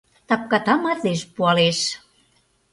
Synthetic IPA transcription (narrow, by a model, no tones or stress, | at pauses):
t̪ɑp̚kɑt̪ɑmɑt̪leʃpuɑleʃ